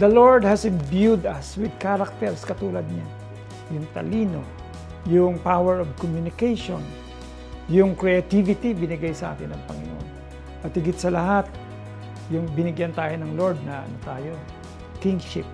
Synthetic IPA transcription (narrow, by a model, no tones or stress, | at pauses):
d̪ɐloɹd̪hɐsɪnbjud̪ɐswɪd̪̚kaɾak̚t̪ɛɹskɐt̪uːlɐd̪̚ɲa | jʊŋt̪ɐ̰liːno | jʊŋpawɛɹovkomjunɪkejʃon | jʊŋkɹɛɐt̪ivɪt̪ibɪnɪɡajsɐʔa̰ːk̪ɪnɐŋpɐŋɪnoʔon | ʔɐt̪hɪɡɪt̪̚sɐlɐhat̪̚ | jʊŋbɪnɪɡjant̪aːjonɐŋloɹd̪̚nɐʔɐ̰not̪aːjo | kɪ̃ŋʃɪp̚